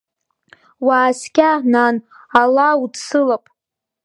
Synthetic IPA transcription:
waːskʲʼananalautt͡sɨlapʼ

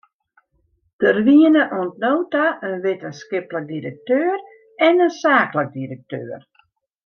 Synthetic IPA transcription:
d̥ərʋiənəʔuəntnowtaʔənʋetənskɪplək̚diɾək̚tøːər | ɛnənsaːklək̚diɾək̚tø̰ːr

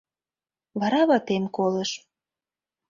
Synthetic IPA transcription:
βɑɾɑβɑt̪emkolə̆ʃ

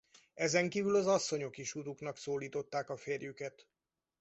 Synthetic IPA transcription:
ɛzɛŋkiːvylɒzɒsːo̞ɲo̞kiʃut̪uknɒksoːliːt̪o̞t̪ːaːkɒfeːrjykɛt̪

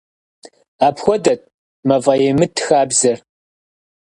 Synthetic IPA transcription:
aːpxʷɔdɐt̚ʼ | mɐvɐjɛmɨtʰxaːbzɐr

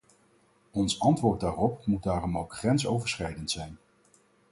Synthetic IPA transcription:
ɔnsɑntʋʊːɹt̚daːrɔp̚mud̚daːrɔmowkχrɛnsowvəɹsχɛjdəntsɛjn

